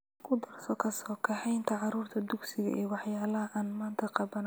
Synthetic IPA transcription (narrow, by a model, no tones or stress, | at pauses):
kʰʊd̪ɐrsɔkʰɐsɔːkʰɐħɛjnt̪ʰɐʕɑɾuːrt̪ʰɐd̪ʊɡsɪɣɐ̰ʔɛ̰ːwɑħjaːlɐɦɐʔaːnmaːnt̪ʰɐqɑβɐn